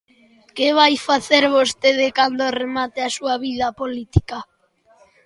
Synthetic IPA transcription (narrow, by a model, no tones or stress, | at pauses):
keβ̞ajfaθeɾβost̪eðekand̪oremat̪easuaβið̞apolit̪i̥ka